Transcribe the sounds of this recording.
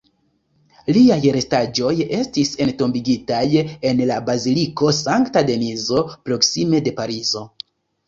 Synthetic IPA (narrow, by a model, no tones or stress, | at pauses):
liajɾe̞stad͡ʒo̞je̞stise̞nto̞mbiɡitaje̞nlabaziliko̞saŋktade̞nizo̞pɾo̞ksime̞de̞paɾizo̞